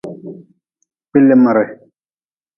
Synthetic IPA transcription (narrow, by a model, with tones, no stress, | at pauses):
pi˦lːe˦˨ma˨ɾe˨